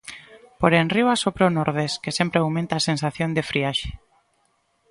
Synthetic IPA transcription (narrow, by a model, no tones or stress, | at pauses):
poɾenriwasopɾonoɾð̞eskesempɾeawmẽnt̪aːsensaθjond̪efɾiaʃe̥